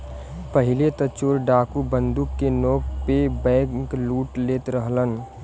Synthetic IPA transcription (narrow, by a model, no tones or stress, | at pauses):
pəɦɪlet̪ət͡ʃoːɾɖaːkubə̃nd̪ʊkːenoːk̚pebɛ̃ːkluːʈleːt̪ɾəɦlən